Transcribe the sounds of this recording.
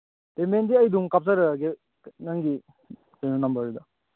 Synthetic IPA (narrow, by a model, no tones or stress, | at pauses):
temendiɐjduŋkap̚saɾɐɡe | naŋɡi | kenunɐmbɐɾd̪ɐ